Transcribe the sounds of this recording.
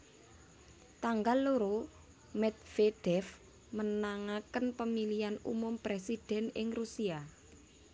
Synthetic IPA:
t̪aŋɡalːoɾo | mɛt̪̚feɖ̥ɛf | mənaŋakənpəmilianṵmʊmpɾesid̥ɛ̤nɪŋrusia

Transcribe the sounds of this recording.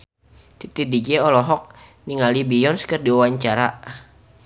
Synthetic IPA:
t̪it̪idid͡ʒɛɔlɔɦɔk̚niŋalibijɔnskərdiwawaɲt͡ʃaɾa

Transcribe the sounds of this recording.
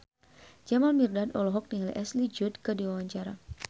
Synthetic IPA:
d͡ʒamalmirdadɔlɔɦɔk̚niɦalḭʔɛslid͡ʒud̪kədiwawaɲt͡ʃaɾa

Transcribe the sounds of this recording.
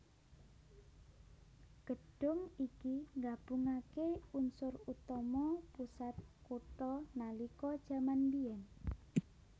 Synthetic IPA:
ɡ̥əɖ̥ʊ̤ŋikiŋɡab̥ṳŋakeunsʊrut̪ɔmɔpusat̪̚kuʈɔnalikɔd̥ʒ̥a̤mandiɛn

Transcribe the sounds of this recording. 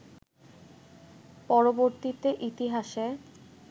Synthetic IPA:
pɔɾoboɾt̪it̪eʔit̪iɦaʃe

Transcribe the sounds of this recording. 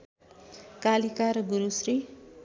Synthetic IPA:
kalikaɾʌɡuɾusri

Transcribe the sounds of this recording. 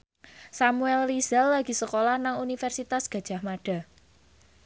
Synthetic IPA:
samuɛlːizɛlːaɡ̥i̤səkolahnaŋunifɛrsit̪asɡ̥ä̤d̥ʒ̥a̤hmaɖ̥a̤

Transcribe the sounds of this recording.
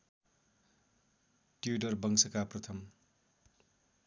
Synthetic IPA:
ʈjuɖʌrbʌŋsʌkaprʌt̪ʰʌm

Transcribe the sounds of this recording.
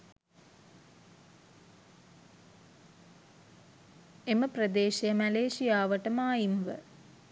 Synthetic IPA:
eməprɐd̪eːʃejəmæleːʃijaːʋəʈəmaːjimʋə̰

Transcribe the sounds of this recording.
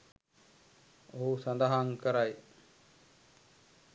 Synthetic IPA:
oɦusand̪aɦaŋkəɾaj

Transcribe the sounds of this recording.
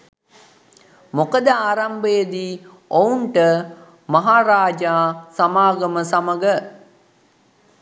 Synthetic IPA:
mokəd̪əaːɾambəjəd̪i | ouɳʈə | maɦaːɾaːd͡ʒaːsamaːɡəməsaməɡə

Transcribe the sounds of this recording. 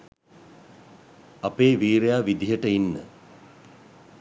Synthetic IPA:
apeːʋiːɾejaːʋid̪iɦəʈəinːə

